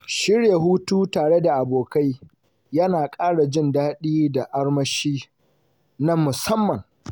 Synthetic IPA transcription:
ʃɪ˦ɽje˨ɦuː˦tuː˦taː˨ɽe˦da˨ʔa˨boː˨ka˦j | jɐ˦naː˨kʼaː˦ɽa˨d͡ʒɪ˦ndaː˦ɗiː˦da˨ʔa˦rmɐ˦ʃiː˦ | nɐ˦mʊ˨sɐ˦mːɐ˨ŋ

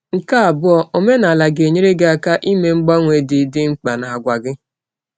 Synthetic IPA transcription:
ŋ̩˨ka˦a˨bʊ˦ɔ˦o˨me˦na˨la˨ɡe˨ɲe˦ɾe˦ɡɪ˦a˨ka˦ʔi˦me˨ŋ͡m̩˦ɡ͡ba˦ŋʷe˨˦dɪ˨˦dɪ˦ŋ͡m̩˦k͡pa˨na˨a˨ɡʷa˨ɡɪ˦

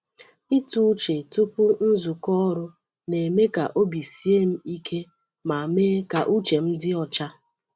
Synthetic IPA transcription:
i˦tu˦t͡ʃe˨tʊ˦pʊ˦n̩˦zu˨kɔ˦ɾʊ˦ | ne˨me˦ka̰˨ʔo˦bi˨si˦e˦m̩˦i˦kʰe˦ | ma˨meː˦ka˨ʔu˦t͡ʃe˨m̩˦dɪ˦ɔ˨t͡ʃa˦

